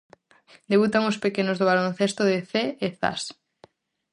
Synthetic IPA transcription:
d̪eβut̪aŋospekenozðoβalon̟θest̪oðeθeːθa̰s

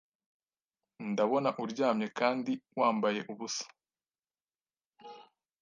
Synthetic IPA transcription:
ndaβo̞naʔuɾɟaːmɲe̞kaːndiwaːmbaje̞ʔuβusḁ

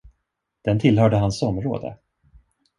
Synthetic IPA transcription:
d̪̥ɛnt̪ʰɪlɦœːɖəɦansɔmɾoːd̪ə̰

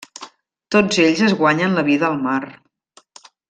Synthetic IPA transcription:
t̪od͡zeʎzəzɣwaɲənləβiðəːlˠmar

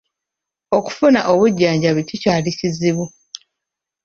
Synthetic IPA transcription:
o̞ku̥funaʔo̞βuɟːaːɲɟaβicicaːliciziβu

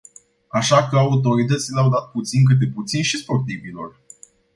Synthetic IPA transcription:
aʃakəaut̪̬o̞ɾit̪̬ət̪sileawd̪at̪̚put̪sink̬ɨt̪̬eput̪sinʃispo̞rt̪ivilo̞̰r

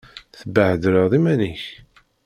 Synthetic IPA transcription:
θəbəʕəd̪ɾəðˤimæniç

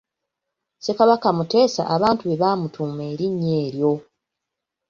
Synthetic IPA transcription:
se̞kaβakamute̞ːsa̰ʔaβaːntuβe̞βaːmutuːme̞ːɾiɲːe̞ːɾjo̞

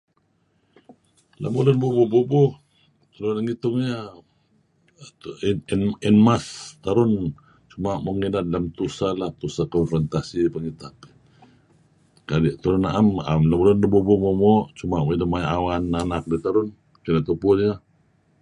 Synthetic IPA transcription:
la̰mulʊnbubububu | t̪aɾʊnaŋit̪ʊŋɲa | ninmast̪aɾʊn | t͡ʃumaʔmoŋinalamt̪usalaht̪usakɔnfɾɔnt̪asipəŋit̪ap | kadiʔt̪aɾʊnaʔama̰mlamulʊndabubumomoʔt͡ʃumaʔmidamajaʔawananak̚dit̪aɾʊn | kinat̪upʊlja

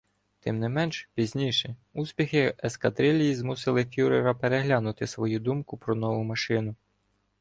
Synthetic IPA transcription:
t̪ɪmnɪmɛnʃpʲizʲnʲijʃɛusʲpʲixɪeskɐd̪ɾɪlʲijizmusɪlˠɪfʲuɾeɾɐpeɾeɦlʲanʊt̪ɪsʋɔjud̪umkʊpɾɔnɔʋʊmɐʃɪnʊ

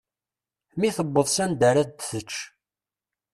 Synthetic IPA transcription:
miθəbːəðˤsænd̪əɾæd̪θət͡ʃː

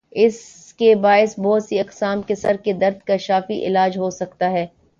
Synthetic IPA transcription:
ɪs | kebaːɪsbɔɦːt̪siɐqsaːmkesɐɾked̪ɐɾd̪̚kaʃaːfiʔɪ̰laːd͡ʒɦosɐkt̪aɦɛː

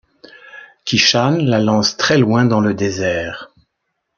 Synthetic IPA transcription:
kʲiʃanlalɑ̃st̪χɛlwɛ̃d̪ɑ̃ləd̪ezɛːʁ

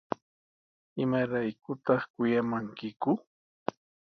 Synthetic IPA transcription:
ɪmaɾajkʊt̪ɑχkʊjamaŋkɪkʊ

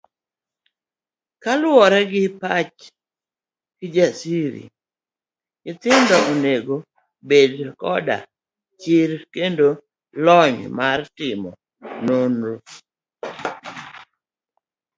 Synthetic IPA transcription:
kalwɔɾɛɡɪpat͡ʃ | kɪd͡ʒasiɾḭ | ɪt̪ɪndɔoneɡo | bedkɔda̰ | t͡ʃɪɾkendo | lɔɲmartɪmɔ̰ | nonɾo

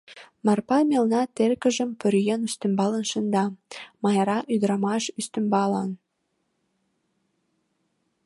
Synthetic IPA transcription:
mɑrpɑmelnɑt̪erkə̆ʒə̆mpøɾjenyst̪ə̆mbɑlə̆nʃə̆nd̪ɑmɑjɑɾɑʔyd̪ɾɑmɑʃyst̪ə̆mbɑlɑn

